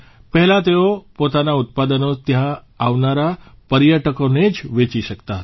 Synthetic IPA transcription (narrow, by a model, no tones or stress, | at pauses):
pəɦɛlãt̪eopot̪anaut̪̚pad̪ənot̪jãː | ʋnaɾa | pəɾjəʈəkoned͡ʒʋet͡ʃiʃəkt̪aɦət̪